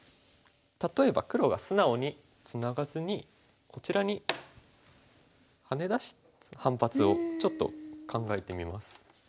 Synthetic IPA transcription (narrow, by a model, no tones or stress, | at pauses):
t̪at̪o̞e̞ba̰kɯ̟ɾo̞ɡa̰sɨnao̞ɲ̟i | t͡sɨnaɡazɨɲ̟i | kʰo̞t͡ɕiɾaɲ̟i | hane̞d̪aɕi̥ | hãmpat͡sɨo̞t͡ɕo̞t̪ːo̞̰kʰãŋɡae̞t̪e̞mʲimasɨ̥